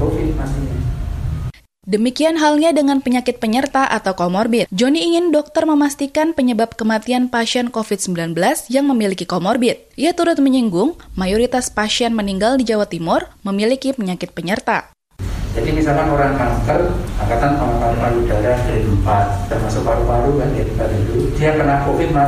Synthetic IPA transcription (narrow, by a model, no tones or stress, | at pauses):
ofimasiɲa | dəmikianɦalɲadəŋanpəɲakɪt̪̚pəɲərt̪aʔat̪awkomɔrbɪt̪d͡ʒoniːŋɪndɔk̚t̪ərməmast̪ikanpəɲəbap̚kəmat̪ianpaʃiɛnkofit̪̚səmbilanbəlasjaŋməmilikikomɔrbɪt̪̚ʔiat̪uɾʊt̪̚məɲiŋɡʊŋmajoɾit̪aspaʃiɛnməniŋɡaldid͡ʒawat̪imʊrməmilikipəɲakɪt̪̚pəɲərt̪a̰ | d͡ʒadimisalkanoɾaŋkaŋt̪ərakat̪anpamapanaudajahɾinmpat̪̚ːərmasʊk̚paɾupaluɡanit̪baɾit̪ud̪iakərnakofɪt̪̚ma